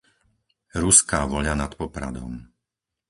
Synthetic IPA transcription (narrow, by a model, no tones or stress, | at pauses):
ɾuskaːʋɔʎanat̪pɔpɾa̰d̪ɔ̰m